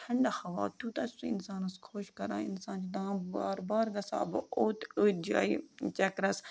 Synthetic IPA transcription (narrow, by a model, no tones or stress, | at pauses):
ʈʰɐɳɖaxɐʋa̰ːt̪uːt̪ɐssuɪnsaːnɐskʰoʃkɐɾã̰ːɪnsãːnt͡ʃid̪ãbaːɾbaːɾɡɐsa̰ːboːt̪əːd͡ʒa̰ːit͡ʃɐkɾɐs